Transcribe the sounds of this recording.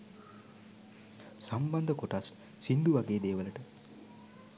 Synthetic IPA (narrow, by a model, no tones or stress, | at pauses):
samband̪əkoʈasː | inɖ̪uʋaɡeːd̪eːʋələʈə